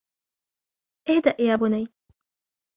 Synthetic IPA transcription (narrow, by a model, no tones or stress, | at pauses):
ʔɪhd̪aʔjaːbʊnaj